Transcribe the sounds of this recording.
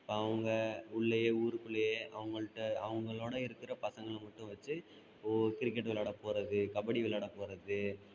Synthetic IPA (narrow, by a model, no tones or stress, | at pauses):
ɪpːoːɐʋɐŋɡɐʊɭːɐjeːuːɾɯkɯɭːɐjeːʔɐʋɐŋɡɐɭɯʈːɐɐʋɐŋɡɐɭoːɽɐɪɾɯkːɪɾɐpɐsɐŋɡɐɭmɐʈːɯ̃ʋɐt͡ʃːɯ | ɔkɪɾɪkːɛʈːʋɪlaːɽɐpoːɾɐðɯkɐbɐɽiʋɪlaːɽɐpoːɾɐðɯ